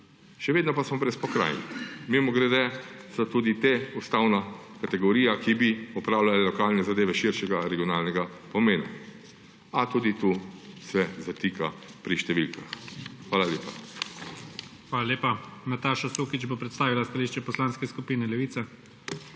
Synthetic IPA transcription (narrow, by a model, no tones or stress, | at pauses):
ʃɛʋeːd̪nɔpasmɔbɾɛspɔkɾa̰jnḭmimɔɡɾɛd̪ɛsɔt̪uːd̪it̪eust̪awna | kat̪ɛɡɔɾiːjakibiɔpɾaːwlʲalɛlɔkaːlnɛzad̪eːʋɛʃiɾʃɛɡaɾɛɡijɔnaːlnɛɡa | pɔmeːna̰ | at̪uːd̪it̪uːsɛzat̪ikapɾiʃt̪ɛʋilkaxxʋaːlalʲeːpa | xʋaːlalʲeːpanat̪aːʃasuːkit͡ʃbopɾɛt̪st̪aːʋilast̪aliːʃt͡ʃɛpɔslaːnskɛskupiːnɛlɛʋiːt̪sɛ